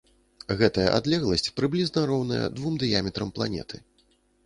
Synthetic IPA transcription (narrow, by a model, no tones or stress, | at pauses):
ɣɛt̪ɐjɐ̰ʔad̪lʲɛɣlˠɐsʲt͡sʲpɾɨblʲiznɐɾɔwnɐ̰jɛ̰d̪vumd̪ɨjamʲɛt̪ɾɐmplˠanʲɛ̰t̪ʰɨ